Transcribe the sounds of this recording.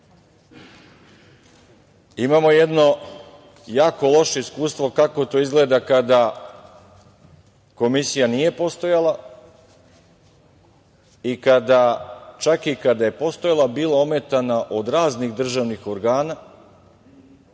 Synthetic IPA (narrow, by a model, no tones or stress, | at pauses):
imamo̞jed̪no̞ | jaːko̞lˠo̞ʃo̞iskuːst̪ʋo̞kako̞t̪o̞ːizɡle̞ːd̪akad̪a | ko̞misijanije̞po̞st̪o̞jalˠa | ikad̪at͡ʃakikad̪aje̞po̞st̪o̞jalˠabiːlaome̞t̪anaʔo̞d̪ɾaːzniɣd̪r̩ʒaʋnixo̞ɾɡaːna